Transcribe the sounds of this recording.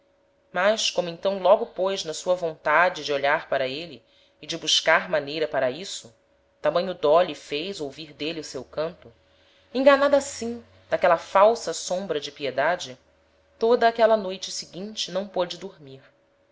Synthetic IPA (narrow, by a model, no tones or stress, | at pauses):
maʃkõmʊẽnt̪ɐ̃w̃lɔɡʊpojznɐsuɐvõnt̪ad͡ʒɪd͡ʒɪoʎaɾpaɾɐelɪː | d͡ʒɪbuʃkaɾmanejɾɐpaɾɐisʊ | t̪amɐ̃jɲ̃ʊd̪ɔlifejzowviɾd̪eliʊsewkɐ̃nt̪ʊ | ẽŋɡanad̪ɐasĩ | d̪akɛlɐfawsɐsõbɾɐd͡ʒɪpied̪ad͡ʒɪ | t̪od̪ɐːkɛlɐnojt͡ʃɪsɪɡĩnt͡ʃɪnɐ̃w̃pod͡ʒɪd̪uɾmiɾ